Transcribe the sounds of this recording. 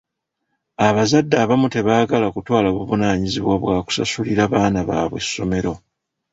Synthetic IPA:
aβazadːaːβamute̞βaːɡalakutwaːlaβuβunaːɲiziβwaβwaːku̥sa̰suliɾaβaːnaβa̰ːβwḛsːo̞me̞ɾo̞

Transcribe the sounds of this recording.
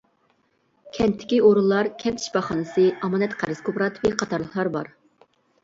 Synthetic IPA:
kʲʰɛnt̪ʰːɪ̥kʲioɾulˠːɑɾkʲʰɛnt̪ʰi̥ʃbɑχɑnɨsɨɑmɑnɛt̪qʰæɾɨskopɾɑt̪ʰvɛqʰɑt̪ʰɑɾlˠəχlˠɑɾbɑ̰ɾ

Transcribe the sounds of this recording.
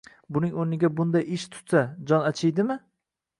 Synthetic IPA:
bʊnɪŋonɪɡʲabʊnd̪ajɪʃt̪ʰʊ̥t̪sad͡ʒɒnat͡ʃʰɪjd̪ɪmɪ

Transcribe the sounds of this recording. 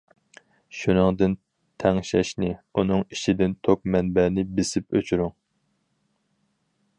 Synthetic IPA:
ʃunɨŋd̪ɨn | t̪ʰɛŋʃɛʃnɪunɨŋiʃid̪ɪnt̪ʰok̚mɛnbɛnɪbɪsɪpøt͡ʃʰyɾyŋ

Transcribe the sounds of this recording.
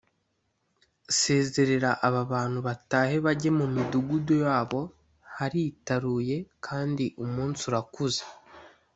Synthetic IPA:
se̞ːze̞ɾe̞ɾaʔaβaβaːn̥huβataːhe̞βaɟe̞mumiduɡudojaːβo̞ | haɾitaɾuːje̞kʰaːndiʔumuːnt͡suɾakuzḁ

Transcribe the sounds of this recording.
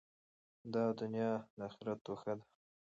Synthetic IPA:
d̪ɑd̪ʊnjɑd̪əaxɪɾat̪ːoxad̪ḁ

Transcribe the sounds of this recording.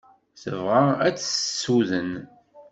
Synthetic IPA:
θəvʁaæt͡sːəsuðən

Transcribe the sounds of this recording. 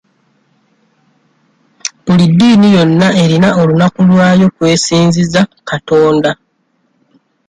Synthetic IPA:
bulidːiːnijo̞nːae̞ɾinao̞lunakulwaːjo̞kwe̞ːsiːnzizakato̞ːnda

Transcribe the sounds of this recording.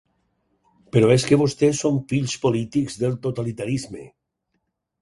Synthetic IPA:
peɾoeskeβost̪esoɱfiʎspolit̪ikzðelˠt̪ot̪alit̪aɾizmḛ

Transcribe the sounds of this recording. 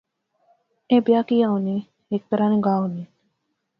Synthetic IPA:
ebijaːkijauni | ek̚t̪ɐɾaːniɡaːɦuni

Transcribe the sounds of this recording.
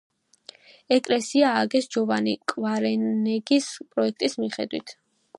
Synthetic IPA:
ɛkʼlɛsiaːɡɛsd͡ʒɔvanikʼvaɾɛnɛɡispʼɾɔɛkʰt̪ʼismiχɛ̰d̪wḭt̪ʰ

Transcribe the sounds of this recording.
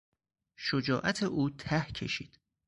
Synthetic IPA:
ʃod͡ʒɒːʔæt̪ʰeʔuːt̪ʰæhcʰe̞̰ʃḭːd̪̥

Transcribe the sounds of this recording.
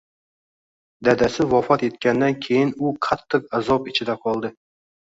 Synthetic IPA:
d̪ad̪asɪvɒfɒt̪e̞t̪̚kʲand̪ankʲʰe̞jɪnʊqʰɑt̪ʰːɪq̚azɒpɪt͡ʃʰɪd̪aqʰɒlˠd̪ɪ

